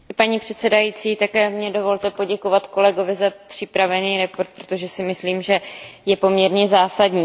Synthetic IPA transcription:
paɲipr̥ɛt̪sɛdajiːt͡siːt̪akɛːmɲɛdo̞vo̞lt̪ɛpo̞ɟɛko̞vat̪ko̞lɛɡo̞vɪzapr̝̥ɪpɾavɛniːɾɛpo̞ɾt̪̚pɾo̥t̪o̞ʒɛsɪmɪsliːmʒɛjɛpo̞mɲɛɾɲɛzaːsadɲiː

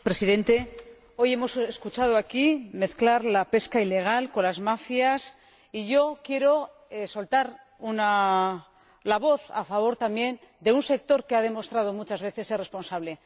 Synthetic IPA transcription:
pɾe̞siðẽ̞nt̪e̞ | o̞je̞mo̞seskut͡ʃað̞oakime̞θklaɾlape̞skaile̞ɣ̞alko̞lazmafjas | iʝo̞kje̞ɾo̞ | eso̞lt̪aɾ | una | laβ̞o̞θa̰faβ̞o̞ɾt̪amje̞nd̪e̞unse̞k̚t̪o̞ɾke̞aðe̞mo̞st̪ɾað̞o̞mut͡ʃazβe̞θe̞sere̞spo̞nsaβle̞

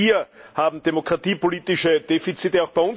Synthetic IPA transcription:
iːɐhaːbm̩d̥emokʁatiːpoliːtɪʃəd̥eːfit͡siːtəaʊxb̥æɪʊn

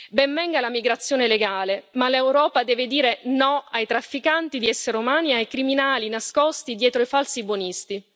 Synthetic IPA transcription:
bɛmːɛŋɡalamiɡɾat̪sːjoːneleɡaːlemalewɾɔːpad̪ɛːved̪iːɾenɔajt̪ɾafːikant̪id̪iɛsːeɾumaːniajkɾiminaːlinaskɔst̪id̪jɛːt̪ɾoifalsibonist̪i

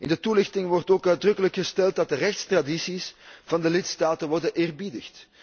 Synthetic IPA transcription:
ɪ̰ndətulɪxtɪŋʋɔrtoːkœdrɵkələkxəstɛlˠt̚dɑt̚dərɛxtstradisisv̥ɑndəlɪtstaːtənʋɔrdənʔɪːrbidəxt

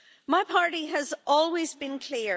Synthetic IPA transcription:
maɪpʰɑɹɾiɨzʔɔlˠwizbɨ̃nkʰl̥i

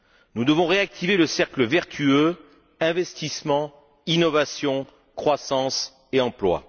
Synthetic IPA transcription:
nud̪əvɔ̃ʁeak̚t̪ʰiveləsɛʁkləvɛʁt̪ʰyø | ɛ̃vɛst̪ismɑ̃ | inɔvasjɔ̃ | kχwasɑ̃s | eɑ̃plwa̰

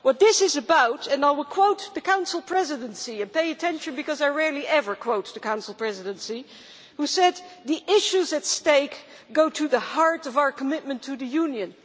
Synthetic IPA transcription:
wʌt̪̚ðɪsɨzɨbaʊɾɨ̃naɪwɪlˠkʰw̥oʊt̪̚ðɨkʰãʊ̃nsl̩ˠpʰɹ̥ɛzɨɾɨ̃nsiɨ̃npeɪɨtʰɛ̃nʃɨ̃nbɨkʌzaɪɹɛɹlˠiʔɛvə˞kʰw̥oʊt̚ðɨkʰãʊ̃nsl̩ˠpʰɹ̥ɛzɨɾɨ̃nsi | husɛd̪̚ðiʔɪʃʉzɨtsteɪk | ɡ̥oʊɾɨðəhɑɹɾʌvaʊə˞kʰəmɪt̚mɨ̃ntʰɨðɨjʉ̃njɨ̃n

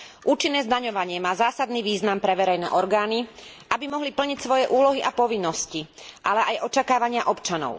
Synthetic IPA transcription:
ʔuːt͡ʃinːɛːzd̪aɲɔʋaɲɪɛmaːzaːsad̪niːʋiːznampɾɛʋɛɾɛjnɛ̰ːʔɔɾɡaːni | ʔabimɔɦlipl̩ɲicsʋɔjɛʔuːlɔɦiʔapɔʋinːɔsci | ʔalɛʔajʔɔt͡ʃakaːʋaɲɪaʔɔpt͡ʃanɔ̰ʊ

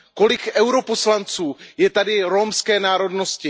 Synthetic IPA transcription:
ko̞lɪkɛwɾo̞poslant͡suːjɛt̪adɪɾomskɛːnaːɾo̞dno̞scɪ

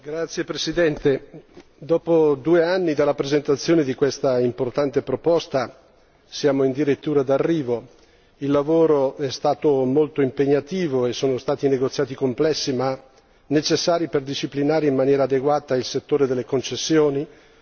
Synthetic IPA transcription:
ɡɾat̪sːjepɾesid̪ɛnt̪ed̪ɔːpod̪uːeanːid̪alːapɾezent̪at̪sːjoːned̪ikwest̪aimport̪ant̪epɾopost̪a | sjaːmoind̪iɾet̪ːuːɾad̪arːiːvo | ilːavoːɾoɛst̪aːt̪omolt̪oimpeɲːat̪iːvoesːoːnost̪aːt̪ineɡot̪sjaːt̪ikomplɛsːima | net͡ʃesːaːɾiperd̪iʃiplinaːɾeimmanjɛːɾaːd̪eɡwaːt̪ailset̪ːoːɾed̪elːekont͡ʃesːjoːni

